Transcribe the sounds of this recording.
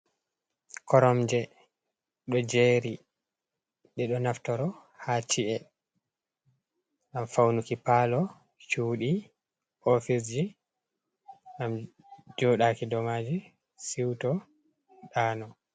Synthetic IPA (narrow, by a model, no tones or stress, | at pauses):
kɔɾɔmd͡ʒɛ | ɗɔd͡ʒeɾi | ɗɛɗɔnaftɔɾɔ | hat͡ʃiʔɛ | ʔamfawnukipalɔ | t͡ʃuːɗi | ʔofis̬d͡ʒi | ʔam | d͡ʒɔɗaːkidɔmad͡ʒi | siwtɔ | ɗaːnɔ